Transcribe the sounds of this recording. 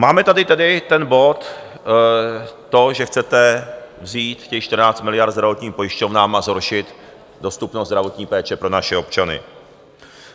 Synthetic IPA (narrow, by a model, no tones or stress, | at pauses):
maːmɛt̪adɪt̪ɛdɪt̪ɛnbo̞t̪ | o̞ʒɛxt͡sɛt̪ɛvziːt̪cɛmʃt̪r̩naːt͡st̪mɪlɪjaɾrt̪zd̪ɾavo̞t̪ɲiːmpo̞jɪʃcovnaːmazɦoɾʃɪt̪ | do̞st̪upnozd̪ɾavo̞t̪ɲiːpɛːt͡ʃɛpɾo̞naʃɛo̞pt͡ʃanɪ̰